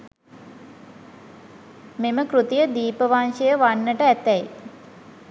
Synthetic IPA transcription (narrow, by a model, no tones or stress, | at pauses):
meməkrut̪ijəd̪iːpəʋanʂəjəʋanːəʈəæt̪ɛj